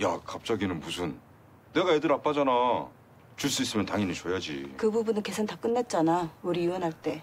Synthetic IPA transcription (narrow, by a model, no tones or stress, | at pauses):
jakap̚t͡ɕ͈aɡinɯnmusʰɯnː | e̞ɡaedɯɾap͈ad͡ʑana | t͡ɕuɭs͈uis͈ɯmjʌntaŋinit͡ɕojad͡ʑḭkɯbubunɯnke̞sʰɯntak͈ɯnːat̚t͡ɕ͈anauɾiuwʌnɦaɭt͈e̞